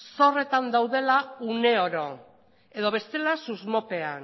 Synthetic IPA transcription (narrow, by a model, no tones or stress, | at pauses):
so̞re̞t̪and̪awðe̞laune̞o̞ɾo̞ | e̞ðo̞βe̞st̪e̞lasuzmo̞pe̞an